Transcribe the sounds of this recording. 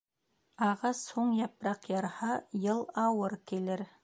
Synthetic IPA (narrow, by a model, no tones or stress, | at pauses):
ɑʁɑsoɴjɑpɾɑqjɑɾhɑjəlˠɑwəɾkʲʰeleɾ